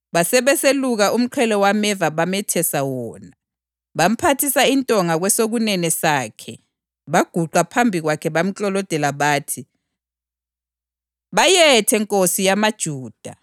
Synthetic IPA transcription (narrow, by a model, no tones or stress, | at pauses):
βasɛβɛseluɣaʔum̩ǃʰɛlɔwamɛvaβamɛtʰɛsawɔːna | βam̩pʰatʰisaintʼɔŋaɣwɛsoɣunɛnɛsaːkʰɛ̰ | βaɡ̥ʱuǃapʰambʱiɣwakʰɛβam̩t͡ɬʼɔlɔd̥ʱɛlaβaːtʰi | βajɛtʰɛŋkʼosijamad̥ʒ̥ʱuːd̥ʱa̰